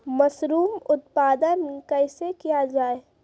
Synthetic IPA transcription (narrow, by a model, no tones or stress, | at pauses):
mɐsɾuːmʊt̪paːd̪ənkəɪsekijad͡ʒaːe